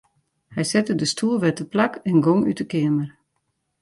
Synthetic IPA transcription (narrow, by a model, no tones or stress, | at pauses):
hɛjsɛtədəstʰuəlˠʋɛtəplakɛnɡoŋy̰təkɪəmər